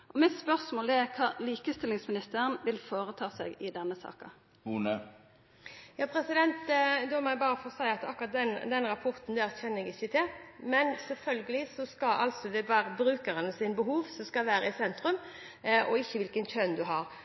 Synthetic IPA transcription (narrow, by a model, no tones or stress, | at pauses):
ʔɔmɪt̪spœʁsmoːld̪ɛækʰɑːliːkəst̪ɪlːɪŋsmɪnɪst̪əɾənʋɪlfoːɾət̪ʰɑːsɛ̰ɡɪd̪ɛnːəsɑ̰ːkɑ̰ | huːnə | jɑːpʰɾɛsɪd̪ɛnt̪d̪ɔmɔæbɑːɾəfɔɾsæɪɑt̪ɑkːʊʁɑt̪̚d̪ɛnd̪ɛnɾɑpʰɔɾt̪n̩d̪ɛæçɛnːəɛɡɪçːət̪ʰɪlmɛnsɛlfœlɡəlɪsɔskɑlʔɑ̰lsɔd̪ɛʋæːɾəbɾʉːkəɾənəsɪnbəɦuːʋsɔmskɑlʋæːɾəɪsɛnt̪ɾʉm | ɔɪçːəʋɪlkənçœnd̪ʉɦɑɾ